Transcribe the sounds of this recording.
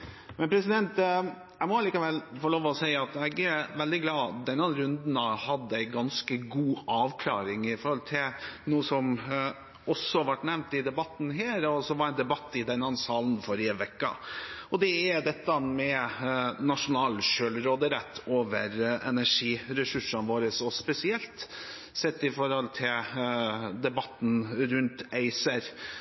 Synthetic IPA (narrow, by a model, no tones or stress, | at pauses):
mɛnpʰɾɛsɪd̪ɛnt̪ | æɪmɔɑliːkəʋɛlfɔloːʋɔsæɪɑt̪ɛɡæɾʋɛld̪ɪɡlɑːd̪ɛnːɑɾʉnd̪nɑhɑd̪ːəæɪɡɑnskəɡuːɑːʋkʰlɑ̰ːɾɪŋɪfɔɾhɔlt̪ʰɪlnuːəsɔm | ɔsːɔhʋɑʈːnɛʋnt̪ɪd̪ɛbɑt̪n̩ɦeːɾɔsɔʋɑɾæɪnd̪ɛbɑt̪ːɪd̪ɛnːɑnsɑːln̩fɔɾɪəʋɛkːɑ̰ɔd̪ɛæd̪ɛt̪ːɑmɛ | nɑʂʊnɑːlɕøːlɾoːd̪əɾɛt̪ʰːoːʋəɾɛnæʂiːɾɛsʉʂːɑnʋoːɾəsɔspɛsɪɛlt̪ | sɛt̪ːɪfɔɾhɔlt̪ʰɪl | d̪ɛbɑt̪ːn̩ɾʉnt̪æɪsəɾ